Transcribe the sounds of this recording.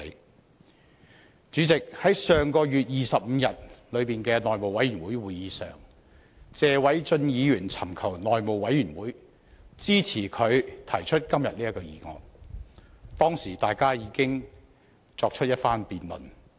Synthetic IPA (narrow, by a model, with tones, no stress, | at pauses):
t͡ʃyː˨˥t͡sɪ˨k̚hɐ˨˥jsœː˨ŋkɔː˧jyː˨t̚jiː˨sɐ˨p̚m̩ː˨˧jɐ˨t̚lɵ˨˧ɥpiː˨nkɛː˧nɔː˨jmo˨wɐ˨˥jɥyː˨˩nwuː˨˥jwuː˨˧jjiː˨˧sœ̰ː˨ŋ | t͡sɛː˧wɐ˨˥jt͡sɵ˧njiː˨˧jyː˨˩nt͡sʰɐ˨˩mkʰɐ˨˩wnɔː˨jmo˨wɐ˨˥jːyː˨˩nwuː˨˥j | t͡siː˥t͡sʰiː˨˩kʰɵ˨˧ɥt̪ʰɐ˨˩jt͡ʃʰɵ˥t̚kɐ˥mjɐ˨t̚liː˥jɐ˥kːɔ˧jiː˨˧ŋɔ̰ː˧ŋ | t̪ɔː˥ŋsiː˨˩t̪aː˨jkaː˥jiː˨˧kɪ˥ŋ | t͡sɔː˧k̚t͡ʃʰɵ˥t̚jɐ˥t̚faː˥npiː˨nlɵ̰˨˩n